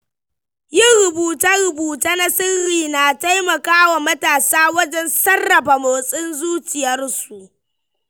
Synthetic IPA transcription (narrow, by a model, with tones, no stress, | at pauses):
jɪ˦˨ŋɾʊ˨buː˨ta˦ɽʊ˨buː˨taː˦na˦sɪ˦ɾiː˨na˨ta˦jmɐ˨kaː˦wa˨mɐ˦taː˨saː˦wɐ˦d͡ʒɛ˦nsɐ˦rːɐ˨ɸa˨moː˨sʼɪ˦nzuː˦t͡ʃɪ˨jɐ˦rsu˨ʔ